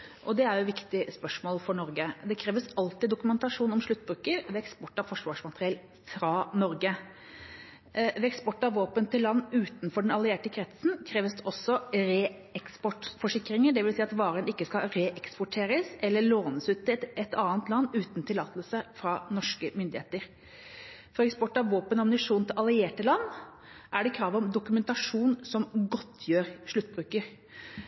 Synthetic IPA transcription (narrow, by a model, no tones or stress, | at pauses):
ʔɔd̪ɛæɾjʊʋɪkt̪ɪspœʂmoːlfɔɳɔɾɡəd̪ɛkʰɾeːʋəsɑlt̪ɪd̪ʊkʉmɛnt̪ɑʂuːnɔmʂɭʉt̪ːbɾʉːkəɾʋɛɛkspɔʈːɑfɔʂʋɑːʂmɑt̪əɾɪɛl | fɾɑnɔɾɡə | ʋɛɛkspɔʈːɑʋʋoːpənt̪ɪlːɑnːʉːt̪nfɔɖɛnɑlɪeːʈəkʰɾɛt̪sn̩kʰɾeːʋəsd̪ɛʔɔsːɔɾe | ɛkspɔʈfɔʂɪkːɾɪŋəɖɛʋɪlsiːɑt̪ʋɑːɾənɪkːəskɑɾeʔɛkspʊʈʰeːɾəsɛlːəɭoːnəsʉːt̪ɛt̪ʰɑːənt̪lɑnːʉːt̪nt̪ʰɪlɑːt̪əlsəfɾɑnɔʂkəmʏnd̪ɪheːt̪əɾ | fɔɾɛkspɔʈːɑʋʋoːpənɑmnɪʂuːnt̪ʰɪlɑlɪeːʈəlɑnː | ʔæɖɛkʰɾɑːʋɔmd̪ʊkʉmɛnt̪ɑʂuːnsɔmɡɔt̪ʰːjøːɾʂɭʉt̪̚ːbɾʉːkəɾ